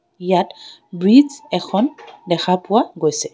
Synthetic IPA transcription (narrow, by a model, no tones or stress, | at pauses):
ijatbɹizɛkʰɔndɛxʰapʊwaɡojsɛ